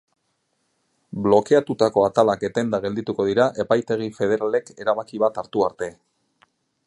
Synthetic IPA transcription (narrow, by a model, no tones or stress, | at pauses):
blo̞ke̞at̪ut̪ako̞at̪alake̞t̪e̞nd̪aɣe̞ld̪it̪uko̞ðiɾaʔe̞pajt̪e̞ɣ̞ife̞ð̞e̞ɾale̞ke̞ɾaβakiβat̪aɾt̪uaɾt̪e̞